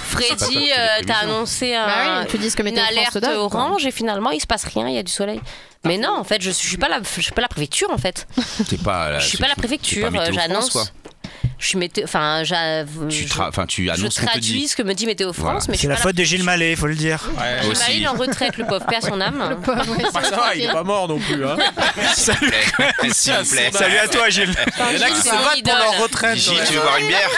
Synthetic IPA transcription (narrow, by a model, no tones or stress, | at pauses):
fχed̪iøt̪aːnɔ̃seɛ̃yd̪isə̥kəmeynalɛʁʁt̪ɔʁɑ̃ʒefinalmɑ̃ilsə̥pasʁjɛ̃iljad̪ysɔlɛj | mɛnɔ̃ɑ̃fɛt̪ʒəssɥipalafsɥi̥palapχefɛk̚t̪ʰyʁɑ̃fɛt̪t̪yɛpa̰sɥipalapχefɛk̚t̪ʰyʁøʒanɔ̃s | ʒə̥sɥimet̪ɑ̃fɛ̃ʒaʒχã̰fɛ̰̃t̪ʰya̰nə̃st̪χad̪iisə̥kəməd̪imet̪eofχɑ̃smɛsɛlaaffɔt̪̚d̪əʒilmaleifoləd̪iʁʒmalelɑ̃ʁət̪χɛləpɔvpɛsɔ̃nam | ailɛpamɔʁnɔ̃plyɛ̃salyɛ | salyat̪waʒilnaksvaidp̪ɔʁɔllɔ̃ʁət̪χɛʒit̪yvevwaʁymjɛʁ